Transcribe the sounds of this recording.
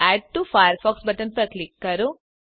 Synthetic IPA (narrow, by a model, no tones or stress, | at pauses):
ɛːɖ̚ʈːufajəɾfɔːksbɐʈɐnpɐɾklikːɐɾu